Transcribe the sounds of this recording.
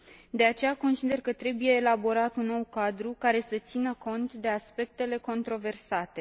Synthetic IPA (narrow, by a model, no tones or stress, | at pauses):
d̪e̞at͡ʃe̞jako̞nsid̪e̞rkət̪ɾe̞buje̞ːlabo̞ɾat̪unːo̞wkad̪ɾukaɾe̞sət̪sinəko̞nt̪d̪e̞aspe̞k̚t̪e̞le̞ko̞nt̪ɾo̞ve̞rsat̪e̞